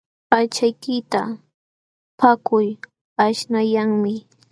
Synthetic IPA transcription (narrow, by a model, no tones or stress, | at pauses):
pat͡ʃajkɪt̪a | pʰakʊj | aʃnajaŋmɪ